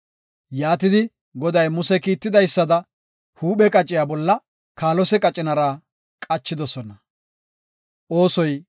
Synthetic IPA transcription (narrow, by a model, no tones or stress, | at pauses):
jaːt̪ɪd̪ɪ | ɡɔd̪ɐjmʊsɛkiːt̪ːɪd̪ɐjsːɐd̪ɐ | huːɓɛkʼɐt͡ʃʼːɪjaːbɔlːɐ | kaːlɔsɛkʼɐt͡ʃʼɪnɐɾaː | kʼɐt͡ʃːɪd̪ɔsɔnɐ | ʔo̞ːsɔj